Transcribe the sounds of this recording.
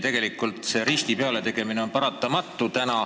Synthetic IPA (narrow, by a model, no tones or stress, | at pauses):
t̪e̞ɡ̥e̞likːˑult̪ˑse̞ɾist̪ipe̞ɑle̞t̪e̞ɡ̥e̞mineo̞npɑɾɑt̪ːˑɑmɑt̪ːˑut̪ænɑ